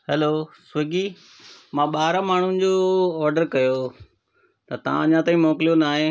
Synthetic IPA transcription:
hɛloːsɐɡiː | mãːɓaːɾamaːɳ̤unɪ̆d͡ʑoːɔːɾɖəɾkɐjo | t̪ɐt̪ɐʋ̤ãɐɲãt̪aːĩmɔːklijonaːɦẽː

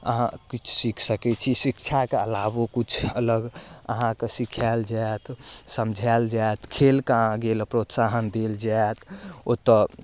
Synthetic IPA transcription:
ə̰ɦã̰kit͡ʃʰsikʰsəkɛt͡ʃʰisikt͡ʃʰakeəlabokut͡ʃʰələɡə̰ɦãkesikʰald͡ʒaet̪səmd͡ʒʱald͡ʒaet̪kʰelkaãɡeləpɾot̪saɦənd̪eld͡ʒaet̪ʰot̪ə

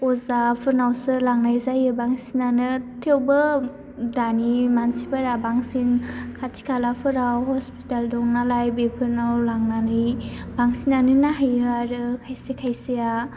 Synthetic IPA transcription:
ɔzapʰɯɾnawsɯlaŋnajzajɯbaŋsinanɯtʰewbɯ | danimansibaɾabaŋsinkʰatʰi̥kʰalapʰɯɾawhɔspi̥taldɔŋnalajbepʰɯɾnawlaŋnanɯjbaŋsinanɯnaɦajɯaɾɯkʰajsekʰajsea

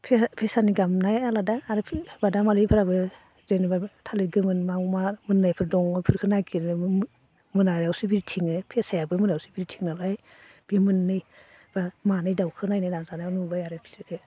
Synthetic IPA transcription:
pʰpʰesaniɡamnajaladaːɾɯpʰbadamalɯjpʰɯɾabɯ | zenbatʰaleɡɯmɯnmamamɯnːajpʰɯɾdɔŋɯpʰɯɾkʰɯnaɡiɾɯ | mɯnaɾawsɯbiɾitʰiŋɯpʰesajabɯmɯnɾawsɯbiɾitʰiŋnalaj | b̥imɯnːɯj | b̥amanajdawkʰɯnajnajnazanajnubajaɾepʰi̥sɯkʰɯ

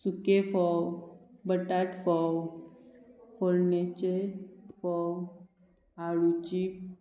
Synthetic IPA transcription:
sukefɔwbəʈaʈfɔw | foɾnet͡ɕefɔw | aɭut͡ɕik

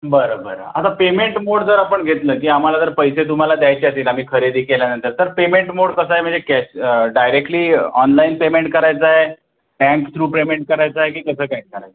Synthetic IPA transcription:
bəɾəbəɾə̰at̪apemeɳʈmoɽd͡zəɾapəɳɡʱet̪ləːk̬iːam̤alad͡z̪əɾpəjset̪̬um̤alad̪jajt͡ɕeət̪iːlam̤iːkʰəɾed̪iːkeljanənt̪əɾt̪əɾpemeɳʈmoɽkəsaɦem̤əɳd͡zekɛɕɖajɾek̚ʈliːɔnlainpemeɳʈ̚kəɾajt͡saɦe | ʈɛ̃ŋkt̪ʰɾuːpɾemeɳʈ̚kəɾajt͡saɦek̬iːkəsəːʈãk̚kəɾajt͡s

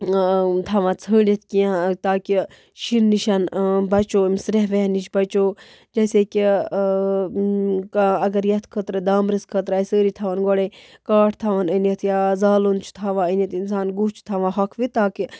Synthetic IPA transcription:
t̪ʰaːʋãːt͡sʰəːnʲit̪ʰkiãt̪aːki | ʃinːiʃɐnbɐt͡ʃoːmʲsɾeɦʋeɦnit͡ʃʰbɐt͡ʃoː | d͡ʒɐseːki | kɐɡɐɾjɐt̪ʰkʰət̪ɾɐd̪aːmɾiskʰət̪ɾaːjsəːɾit̪ʰaʋɐnɡɔɽekaːʈʰt̪ʰaːʋɐnənɐt̪ʰjaːzaːlont͡ʃʰu̥t̪ʰaʋãːənɐt̪ʰinsaːnɡut͡ʃʰt̪ʰaʋãːɦɐkʰʋit̪aːki

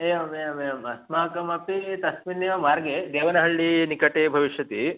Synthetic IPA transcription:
eːjɐmeːjmejɐmɐsmaːkɐmɐpit̪ɐsminjɐmaːɾɡed̪eːʋɐnɐɦɐɭːinikɐʈeːbʱɐʋiʃjɐt̪i

